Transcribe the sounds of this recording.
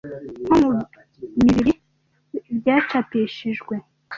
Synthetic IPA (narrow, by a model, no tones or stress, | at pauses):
homu | miβiɾi | ibɟaːt͡ʃapeʃiʒɡwe